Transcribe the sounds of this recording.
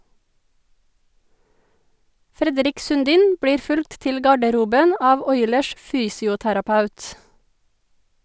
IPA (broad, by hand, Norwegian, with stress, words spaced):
ˈfɾɛdɾɪk sʉnˈdiːn ˈbɽiːɾ ˈfʉlkt ˈtɪl ˈɡɑɖəɾuːbən ˈɑːʋ ˈɔʏləʃ ˈfyːsɪʊtæɾɑˌpɑʉt